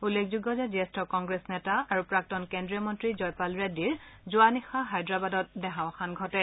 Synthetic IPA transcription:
ulːekʰzuɡɔzɛziestɔkɔŋɡɹesnɛtaaɹupɹak̚tɔnkendɹijɔmɔntɹizɔjpalɹediɹzʊanixaɦajdɹabadɔtdɛɦãw̃kʰanɡʱɔtɛ

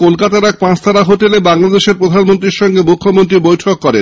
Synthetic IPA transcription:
kolkat̪aɾak̚pãt͡ɕt̪ʰaɾaɦoʈelebaŋlad̪eʃeɾpɾod̪ʱanmont̪ɾiɾʃɔŋɡemukʰːomont̪̬ɾibojʈʰokːɔɾen

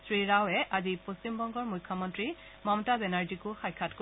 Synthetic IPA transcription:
sɹiɹawɛʔaziposimbɔŋɡɔɹmujkʰːɔmɔntɹi | mɔmtabɛnaɹzikʊxajkʰːatko

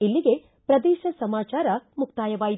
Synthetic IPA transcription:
ilːiɡe̞ | pɾɐd̪ɛːʃɐsɐmaːt͡ʃaːɾɐmukt̪aːjɐʋaːji

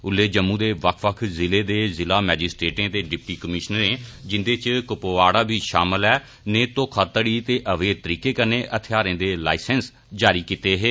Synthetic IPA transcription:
ʊlːeːd͡ʒəmːũːd̪eːʋəkʰʋəkʰzɪleːd̪eːzɪlaːmɛːd͡ʒɪsʈɾeːʈẽːt̪eːɖɪp̚ʈiːkəmɪʃnəɾẽːd͡ʒɪnd̪eːt͡ʃkʊpoːaːɽaːbʱiːʃaːməlɛː | neːt̪õːkʰət̪ːɽiːt̪eːʔəʋeːt̪əɾiːkeːkəneːʔət̪ʰɪjaːɾẽːd̪eːla̰ːɪsəns | d͡ʒaːɾiːkiːt̪eːɦeː

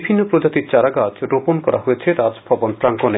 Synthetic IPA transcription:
bʱinːopɾod͡ʑat̪iɾt͡ɕaɾaɡad͡ʑɾoponkɔɾʔa̰ɦojet͡ɕʰeɾad͡ʑbʱɔbonpɾaŋkone

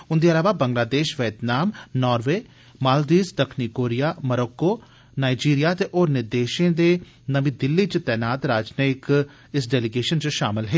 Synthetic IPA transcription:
ʊnd̪iːəlaːʋaːbə̃ŋɡlaːd̪eːʃʋeːt̪naːmnɔːɾʋeː | maːld̪iːsd̪əkʰniːkoːɾijaːməɾɔːkːoː | naːid͡ʒiːɾijaːt̪eʔoːɾnɪɾd̪eːʃẽːd̪eː | nəʋĩːd̪ɪlːiːt͡ʃət̪ɛːnaːt̪ɾaːd͡ʒnik | ɪsɖɛːlɪɡeːʃənt͡ʃʃaːmɪlɦeː

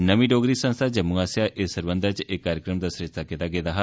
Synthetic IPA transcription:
nəmiːɖoːɡɾiːsə̃nst̪ʰaːd͡ʒəmũaːsjaʔesəɾbə̃nd̪ət͡ʃekːaːɾjəkɾəmd̪aːsɾɪʃt̪ʰaːkɪt̪aːɡɪt̪aːɦa

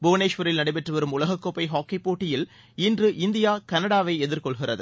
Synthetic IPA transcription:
bʊʋɐneːʂʋɐɾɪlnɐɽɐɪpɛʈrɯʋɐɾɯmʊlɐɣɐkːopːɐɪɦoːkːipːoːʈːɪjɪl | ɪndrɯʔɪnd̪ɪjaːkɐnɐɽaːʋɐɪɛðɪɾkɔɭɣɪrɐðɯ

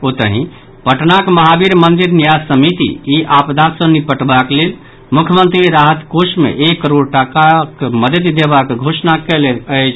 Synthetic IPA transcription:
ot̪əɦḭ̃ | pəʈnakməɦabiɾmənd̪iɾnijad͡ʒsəmit̪ḭiʔapd̪ʱat̪sə̃nipəʈbaklel | mukʰjəmənt̪ɾiɾaɦət̪kosmḛʔekːəɾoɽʈakakməd̪ət̪d̪ebakɡʱosnakɛleəjt͡ʃʰ

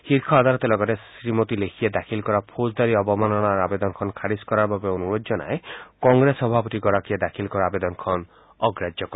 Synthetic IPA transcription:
hiɾkʰɔad̪alɔt̪elɔɡɔɾesɾimot̪ilekʰied̪akʰilkɔɾapʰod͡ʒd̪aɾiɔbɔmanɔɽ̃aaɾabed̪ɔnɔkʰɔnkʰaɾiskɔɾaɾbabeonuɾod͡ʒd͡ʒɔna̰ekɔŋɡɾesɔbʱapɔt̪iɡɔɾakied̪akʰilkɔɾaabed̪ɔnɔkʰɔn | ɔɡɾad͡ʒjɔkɔɾ

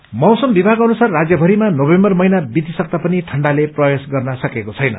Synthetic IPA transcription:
mʌwsʌmbibʱaɡʌnusarːad͡zjʌbʱʌɾimanobembʌrmʌjnabid̪isʌk̚t̪apʌniʈʰʌɳɖaleprʌjesɡʌrnʌsʌkekot͡sʰʌjnʌ̰

